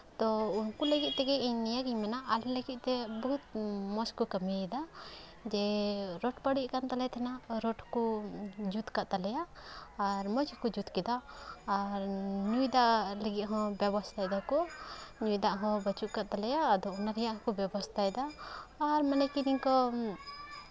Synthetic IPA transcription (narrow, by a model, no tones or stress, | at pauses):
t̪ɔunkuləɡit̪̚ˀt̪ɛɡɛiɲnijaɡiɲmanaʔːlləɡit̪̚ˀt̪ɛbɔɦut̪̚mɔskɔkəmid̪a | d͡ʒɛɾɔʈpəɽiʔkant̪alɛt̪ʰɛnaɾɔʈʰkud͡ʒut̪kaʔt̪alɛjaː | ɾmɔt͡ʃkɔd͡ʒut̪kɛd̪aː | ɾɲujd̪aʔləɡit̪̚ɦɔ̃bjɛbɔst̪ʰajd̪akɔɲujd̪aʔɦɔ̃bət͡ʃuʔkaʔ̚t̪alɛjaːd̪ɔɔnaɾɛjaʔɦɔ̃kɔbjɛbɔst̪ʰaɛd̪aː | ɾmanakiniɲkɔ